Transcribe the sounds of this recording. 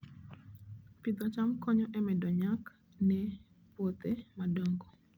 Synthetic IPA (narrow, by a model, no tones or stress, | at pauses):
pid̪ɔt͡ʃamkɔɲɔʔɛmɛdɔɲak | nɛ | pwot̪emadoŋɡo